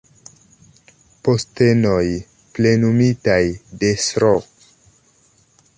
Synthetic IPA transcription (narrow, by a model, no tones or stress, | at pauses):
po̞ste̞no̞j | ple̞numitajde̞sɾo